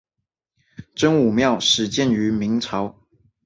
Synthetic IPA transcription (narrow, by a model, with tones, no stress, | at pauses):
ʈ͡ʂə˥ŋu˨˩mjɑ˥˩ʊʂɻ̩˨˩t͡ɕjɛ˥˨ny˧˥mi˧˥ŋʈ͡ʂʰɑ˧˥ʊ